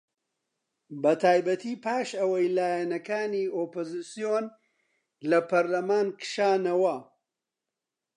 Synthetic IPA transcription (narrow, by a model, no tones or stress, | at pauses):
bɐt̪ʰaːjbɐt̪ʰiːpʰaːʃɐwɐjlaːjɛnɐkaːnioːpozisijon | lɐpʰɐɾlɐmaːnkʃaːnɐwɐ